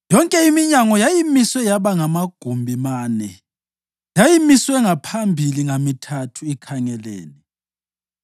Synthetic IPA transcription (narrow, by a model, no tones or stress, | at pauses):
jɔŋkʼɛimiɲaŋɔjajimiswɛjaβaŋamaɡ̥ʱumbʱimaːnɛ | jajimiswɛŋapʰambʱiliŋamitʰatʰuikʰaŋɛlḛːni